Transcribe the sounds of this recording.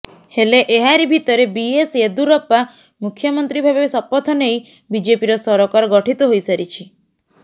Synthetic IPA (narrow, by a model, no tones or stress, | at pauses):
heleʔeɦaɾibʱit̪ɔɾebiesed̪uɾɔpa | mukʰjɔmɔnt̪ɾibʱabesɔpɔt̪ʰɔnej | bid͡ʒepiɾɔsɔɾɔkaɾɔɡɔʈʰit̪ɔɦojsaɾit͡ʃʰi